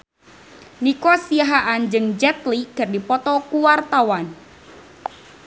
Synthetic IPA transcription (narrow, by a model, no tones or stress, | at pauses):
nikɔsiaɦaʔand͡ʒɨŋd͡ʒɛt̪liɡ̥ardipɔt̪ɔkuwart̪awan